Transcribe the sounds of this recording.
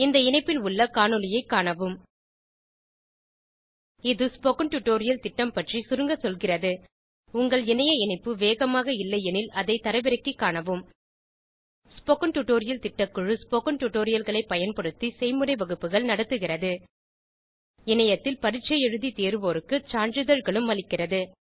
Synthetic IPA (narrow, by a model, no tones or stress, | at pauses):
ɪnd̪ɐɪnɐɪpːɪlʊɭːɐkaːɳɯlɪjɐɪkːaːɳɐʋɯm | ɪðɯspɔkɐnʈʊʈːoːɾɪjɐlt̪ɪʈːɐmpɐʈrisʊɾɯŋɡɐsɔlɣɪrɐðɯ | ʊŋɡɐɭɪnɐjɐɪnɐɪpːɯʋeːɣɐmaːɣɐɪlːɐɛnɪlɐðɐɪt̪ɐɾɐʋɪɾɐkːikːaːɳɐʋɯm | spɔkɐɳʈʊʈːoːɾɪjɐlt̪ɪʈːɐkːɯɻɯspokɐɳʈʊʈːoːɾɪjɐlɣɐɭɐɪpːɐjɐnpɐɽɯt̪ːisɛɪmɯɾɐɪʋɐɣɯpːɯɣɐɭnɐɽɐt̪ːɯɣɪrɐðɯ | ɛnɐjɐt̪ːɪlpɐɾɪʈt͡ʃːɐjɛɻɯðit̪eːɾʋoːɾɯkːɯt͡ʃaːɳɾɯðɐɻɣɐɭɯmʋɐlɪkːɪrɐðɯ